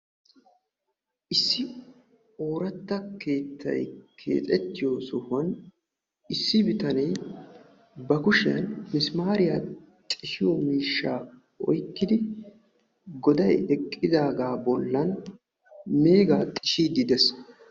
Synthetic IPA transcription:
ʔɪsːɪ | o̞ːɾɐt̪ːɐke̞ːt̪ːɐ̰jkʰe̞̰ːt̪ʼɛt̪ːɪjoːsɔhɐn | ɪsːɪbɪt̪ɐnɛj | bɐkʊʃɪjɐ̰nmɪsmaːɾɪja | t̪ʼɪʃɪjɔmiːʃːaː | ʔɔ̰jkːɪd̪ɪ | ɡɔd̪ɐjɛkʼːɪd̪aːɡaːbɔlːɐn | me̞ːɡaːt̪ʼɪʃiːd̪ɪd̪ɛs

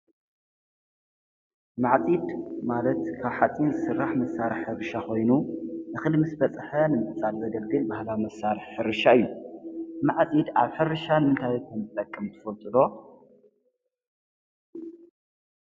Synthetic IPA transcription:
maʕt͡sʼid̪malɐt̪kʰaβħat͡sʼinzɨsɨrːaħmɐsaɾɨħːɨɾɨʃakʰo̞jnunɨxɨlmɨsbɐt͡sʼħɐnɨmɨt͡sʼalbɐd̪ɐlɡɨlbahlawimɐsːaɾɨħːɨɾɨʃaɨjːu | maʕt͡sʼid̪aβħɨɾɨʃanɨmɨnt̪ʰajkʰɐmzɨt̪ʼɐkʼːɨmt̪ʰɨfɐlt̪ʼɨd̪o̞

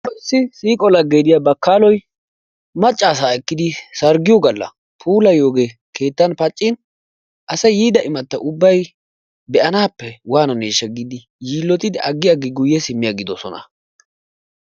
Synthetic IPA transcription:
ɔsːɪsiːkʼɔlɐɡeːd̪ɪjabɐkːaːlɔj | mɐt͡ʃʼːaːs̬aːɛkːɪd̪ɪsɐɾɡɪjɔɡɐlːɐ̰ | pʰuːlɐjo̞ːɡeːke̞ːt̪ːɐnpɐt͡ʃʼːɪn | ʔɐsɐjjiːd̪ɐʔɪmɐt̪ːɐʔʊbːɐj | bɛʔɐnaːpːɛwaːnɐneːʃɐɡɪd̪ɪ | jiːlːɔt̪ɪd̪ɪʔɐɡːɪjaɡɪɡʊjːɛsɪmːɪjaɡɪd̪ɔsɔ̰nɐ̰

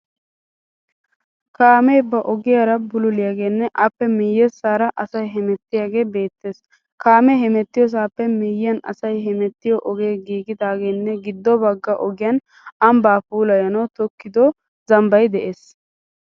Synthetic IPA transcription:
kaːmɛjbɐʔɔɡɪjaːɾɐbʊlʊlɪjaɡe̞ːnːɛʔɐpːɛmɪjːɛsːaːɾɐʔɐsɐjɦɛmɛt̪ːɪjaɡe̞ːbe̞ːt̪ːeːs | kaːmɛhɛmɛt̪ːɪjɔs̬aːpːɛmɪjɪːɐnɐ̰sɐjɦɛmɛt̪ːɪjɔʔɔɡe̞ːɡiːɡɪd̪aːɡeːnːɛɡɪd̪ːɔbɐɡːɐʔɔɡɪjɐn | ɐmbaːfuːlɐjɐnɐwt̪ɔkːɪd̪ɔ | zɐmbɐjd̪ɛʔeːs

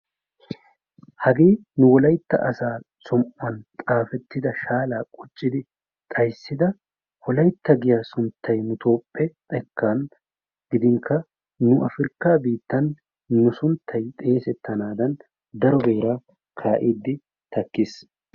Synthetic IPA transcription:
hɐɡeːnʊwɔlɐjt̪ːɐ̰ʔɐsaːsɔmʔʊɐnt̪ʼaːfɛt̪ːɪd̪ɐʃaːlaːkʼɔt͡ʃʼːɪd̪ɪ | t̪ʼɐjsːɪd̪ɐ | wɔlɐjt̪ːɐɡɪjaːsʊnt̪ʰːɐjnʊt̪ʰo̞ːpʼːɛt̪ʼɛkʰːaːn | ɡɪd̪ɪŋkʰːɐ | nʊʔɐfɪɾkːaːbiːt̪ːɐnː | ʊsʊnt̪ʰːɐjt̪ʼe̞ːsɛt̪ːɐnaːd̪ɐn | d̪ɐɾɔbe̞ːɾa | kʰaːʔiːd̪ːɪ | t̪ɐkːɪs

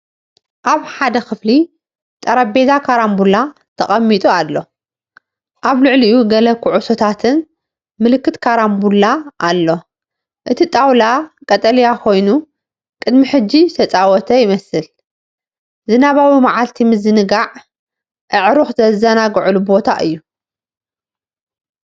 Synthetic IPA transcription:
ʔaβħad̪ɐxɨfli | t̪ʼɐɾɐbe̞zakʰaɾambulːa | t̪ʰɐχʼɐmːit̪ʼualːo̞ | ʔaβlɨʕliijuɡɐlɐkʰːuʕuso̞t̪ʰat̪ʰɨn | mɨlɨkːɨt̪kʰaɾambulːaʔalːo̞ | ʔɨt̪ʰit̪ʼawlakʼɐt̪ʼɐlijakʰo̞jnu | kʼɨd̪miħɨd͡ʒːit̪ʰɐt͡sʼawɔt̪ʰɐjɪmɐsɨl | zɨnaβawimaʕalt̪ʰimɨzɨnɨɡaʕ | ʔɨʕɾuxzɐzɐnaɡʕulubo̞t̪ʰa̰ʔɨ̰jːu

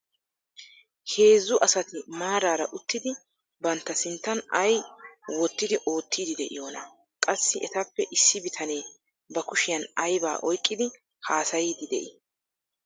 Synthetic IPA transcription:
he̞ːzːʊʔɐsɐt̪ɪmaːɾaːɾɐ̰ʔʊt̪ːɪd̪ɪ | bɐnt̪ːɐsɪnt̪ːɐnɐjwɔt̪ːɪd̪ɪʔo̞ːt̪ːiːd̪ɪd̪ɛʔɪ̰joːnɐ | kʼɐsːɪʔɛt̪ɐpːɛʔɪsːɪbɪt̪ʰɐne̞ː | bɐkʊʃɪjɐnɐjba̰ːʔɔjkʼːɪd̪ɪ | haːsɐjiːd̪ɪd̪ɛʔɪ

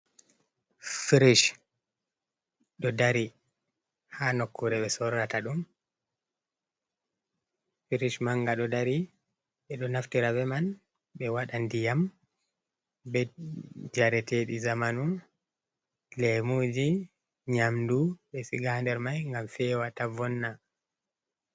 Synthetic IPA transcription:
fiɾiʃ | ɗɔdaɾi | hanɔkːuɾɛɓɛsɔɾːataɗum | fiɾiʃmaŋɡaɗɔdaɾi | ɓɛɗɔnaftiɾavɛman | ɓɛwaɗandijam | bɛd͡ʒaɾɛteɗizamanun | lɛmoːd͡ʒi | ɲamduɓɛsiɡandɛɾmajŋɡamfɛwatavɔnːa

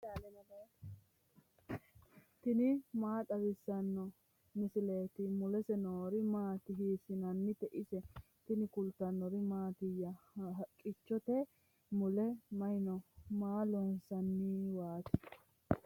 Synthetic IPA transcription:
daːlɛmɐleː | t̪ɪnɪmaːt̪ʼɐwɪsːɐnːɔ | mɪsɪleːt̪ɪmʊlɛsɛnoːɾɪmaːt̪ɪɦiːsɪnɐnːɪt̪ɛʔɪsɛ | t̪ɪnɪkʊlt̪ːɐnːɔɾɪmaːt̪ɪjːɐkʼɪt͡ʃːɔt̪ɛ | mʊlɛmɐjɪnɔmaːlɔnsɐnːɪwaːt̪ɪ

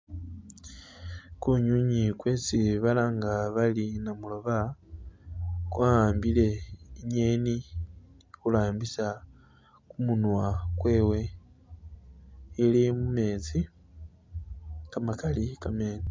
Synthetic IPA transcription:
kuɲuɲikwe̞ːt͡siβalaŋɡaβalinamulo̞βa | kwaːmbile̞iɲeːni | kulaːmbisa | kumunwakwe̞ːwe̞ | limume̞ːt͡si | kamakalikameːni

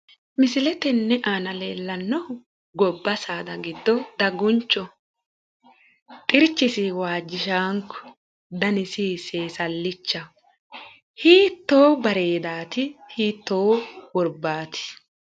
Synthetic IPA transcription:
mɪsɪlɛt̪ɛnːɛʔaːnɐleːlːɐnːɔ | ɡɔbːɐsaːd̪ɐɡɪd̪ːɔd̪ɐɡʊnt͡ʃːɔ | t̪ʼɪɾt͡ʃːɪsɪwaːd͡ʒːɪʃaːŋkɔ̥ | d̪ɐnɪsiseːsɐlːɪt͡ʃːɐ | hiːt̪ːoːbɐɾe̞ːd̪aːt̪ɪhiːt̪ːoːwɔɾbaːt̪ɪ̥

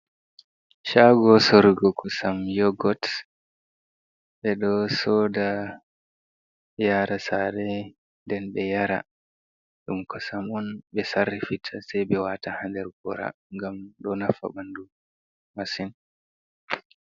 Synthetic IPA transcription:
ʃaːɡɔsoɾiɡɔkʰɔsamjɔɡɔt | bɛɗɔsɔda | jaːɾasaɾɛ | ndɛnɓɛjaɾa̰ | ɗumkɔsamɔnɓɛsarːifitʰːasajbɛwatahandɛɾɡɔɾa̰ | ŋɡamɗɔnafa̰bandu | masin

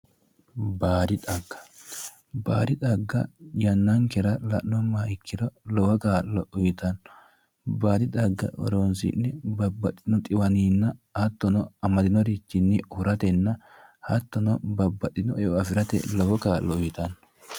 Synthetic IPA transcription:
baːɾɪᶑɐɡːɐ̥ | baːɾɪᶑɐɡːɐ̰jɐnːɐŋkɛɾɐlɐʔnːɔmːaːɪkʰːɪɾɔlɔwɐkaːlːɔʊjɪt̪ɐnːɔ̥ | baːd̪ɪᶑ̪ɐɡːɐ̰ʔɔ̰ɾoːnsɪ̰nːɪbɐbːɐt̪ʼːɪnɔt̪ʼɪwɐniːnːɐhɐt̪ːɔnɔɐmɐd̪ɪnɔɾit͡ʃːɪnːɪhʊɾɐt̪ɛnːɐhɐt̪ːɔnɔbɐbːɐt̪ʼːɪnɔɛɔɐfɪɾɐt̪ɛ̰lɔwɔkaːlːɔʊjɪt̪ɐnːɔ̥

